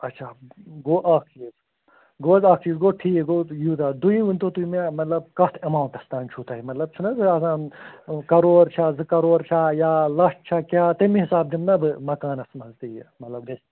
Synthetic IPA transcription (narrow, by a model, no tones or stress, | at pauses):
ɐtːʃʰaːɡoːʔaːkʰt͡ʃiːz | ɡoːzaːkʰt͡ʃiːzɡoːʈʰiːkeɡoːjuːd̪ad̪uĩʋunt̪oːt̪uimẽmɐt̪lɐbkɐt̪ʰɐmaːuɳʈɐst̪aːnt͡ʃʰuːt̪aːɦimɐt̪lɐb̚t͡ʃʰunɐzɨɐsaːnkɐɾoːɾt͡ʃʰazɨkɐɾoːɾt͡ʃʰajaːlɐsʈ̚t͡ʃʰakʲjaːt̪emiɦɪsaːb̚d̪imnɐbɨmɐkaːnɐsmɐnzt̪ijemɐt̪lɐbd̪es